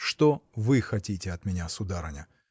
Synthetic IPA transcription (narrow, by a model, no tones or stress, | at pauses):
ʂt̪ovɨxɐtʲitʲɪɐt̪mʲɪnʲasʊd̪aɾənʲə